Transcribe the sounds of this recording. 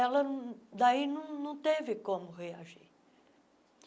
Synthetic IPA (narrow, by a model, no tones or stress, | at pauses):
aləd̪ainũnũt̪evikomɣejaʒi